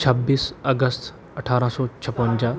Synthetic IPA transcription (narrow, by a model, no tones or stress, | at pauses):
t͡ʃʰəbːiːsɐɡəst̪ʰ | ɐʈʰaːɾə̃sɔːt͡ɕʰɐpə̃ɲd͡ʑa